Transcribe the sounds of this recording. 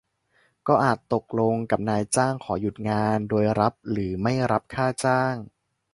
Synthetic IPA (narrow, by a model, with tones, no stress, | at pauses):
kɔː˥˩ʔaː˨˩t̪ːo˨˩k̚lo˧ŋka˨˩p̚naː˧jt͡ɕaː˥˩ŋkʰɔː˩˦ju˨˩t̪̚ŋaː˧ndoː˧jɾa˦˥p̚ɾɯː˩˦ma˥˩jɾa˦˥p̚kʰaː˥˩t͡ɕaː˥˩ŋ